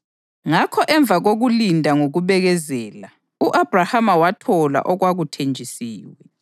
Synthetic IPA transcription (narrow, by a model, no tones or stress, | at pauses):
ŋakʰɔʔɛɱb̪vʱaɣoɣulindʱaŋoɣuβɛɣɛzɛːla | uʔab̥rahamawatʰɔla̰ʔɔɣwaɣutʰend͡ʒʱisiːwɛ